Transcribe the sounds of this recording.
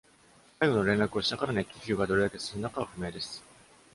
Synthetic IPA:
saiɡo̞no̞ɾẽ̞nɾakɯ̟o̞ɕi̥t̪akaɾanekʲːiçʲɨːɡad̪o̞ɾe̞d̪ake̞sɨɾɯ̟nakaβaɸɯ̟me̞ːd̪e̞sɨ̥

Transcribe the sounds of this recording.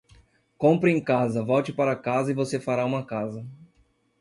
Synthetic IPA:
kõmpɾɪẽj̃kazɐvɔwt͡ʃɪpaɾɐkazɐɪvosefaɾaũmɐkazɐ

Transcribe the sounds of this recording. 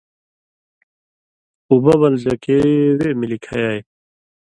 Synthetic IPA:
ubɐbɐlzɐkewemilikʰajaːj

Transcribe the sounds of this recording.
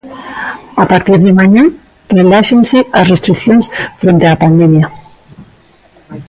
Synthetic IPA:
apaɾt̪iɾðɪmaɲã | relaʃensɪɐsrest̪ɾikθjõnsfɾent̪eapand̪emja

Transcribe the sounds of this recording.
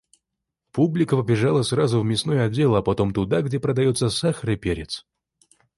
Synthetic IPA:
publʲɪkəpəbʲɪʐalˠəsrazʊvmʲɪsnojʊɐdʲːe̞lˠɐpɐt̪o̞mt̪ʊd̪aɡdʲepɾəd̪ɐjot̪səsaxəɾɨpʲeɾʲɪt̪s

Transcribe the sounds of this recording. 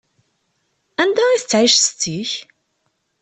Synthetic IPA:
ænd̪æiθət͡sːʕiʃst͡sːiç

